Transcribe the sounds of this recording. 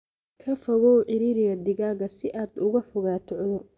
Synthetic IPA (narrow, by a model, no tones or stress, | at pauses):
kʰɐfɐɣɔːʕɪɾiːɾɪɣɐd̪ɪɣaːɣɐsɪʔaːd̪ʊɣʊħʊɣaːt̪ʰɔʕʊðʊr